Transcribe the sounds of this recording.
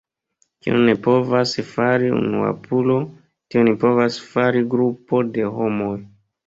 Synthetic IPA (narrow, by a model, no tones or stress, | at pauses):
kḭṵne̞po̞vasfaɾiṵnṵa̰pʰulo̞ | tionipo̞vasfaɾiɡɾupo̞de̞ɦo̞mo̞j